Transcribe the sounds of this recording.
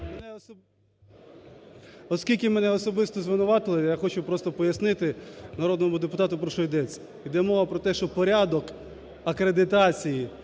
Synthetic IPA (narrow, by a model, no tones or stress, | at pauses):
mnɛ | ɔskʲilʲkʲɪmɛnɛɔsɔbɪst̪ɔzʋɪnʊʋɑt̪ɪlˠɪjaxɔt͡ʃʊpɾɔst̪ɔpɔjɐsnɪt̪ɪnɐɾod̪nɔmʊd̪epʊt̪ɑt̪ʊpɾɔʃɔjd̪ɛt͡sʲːɐ̥ | id̪ɛmɔʋɐpɾɔt̪ɛʃt͡ʃɔpɔɾʲad̪ɔk | ɐkɾed̪ɪt̪ɑt͡sʲiji